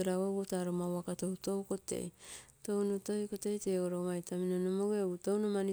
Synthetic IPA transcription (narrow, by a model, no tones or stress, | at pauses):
eɾaweβotaɾomawakatowtowko̞te̞̰jto̞wnoto̞jko̞te̞jteːɡoɾomajtʰaminonomoɡeɡutownomani